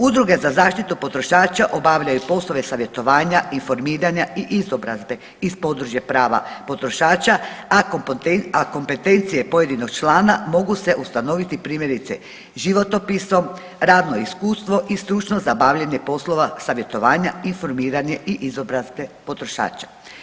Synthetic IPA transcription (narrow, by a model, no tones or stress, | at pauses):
ud̪ɾuɡe̞zazaːʃt̪it̪upo̞t̪ɾo̞ʃaːt͡ʃaʔobaʋʎajupo̞slˠo̞ʋe̞saʋje̞t̪o̞ʋaːɲainfo̞ɾmiːɾaɲaʔiʔizo̞bɾa̰zbe̞ | ispo̞d̪ɾuʒje̞pɾaːʋa̰po̞t̪ɾo̞ʃaːt͡ʃaa | ako̞mpe̞t̪e̞nt̪sije̞po̞je̞d̪ino̞ɡ̚t͡ʃlaːnamo̞ɡuse̞ʔust̪ano̞ʋit̪ipɾiːmje̞ɾit̪sḛ | ʒiʋo̞t̪o̞piso̞m | ɾaːd̪no̞iskuːst̪ʋo̞ʔist̪ɾut͡ʃnozabaːʋʎeɲe̞po̞slˠo̞ʋasaʋje̞t̪o̞ʋaːɲainfo̞ɾmiːɾaɲe̞ʔiʔizo̞bɾazbe̞po̞t̪ɾo̞ʃa̰ːt͡ʃḁ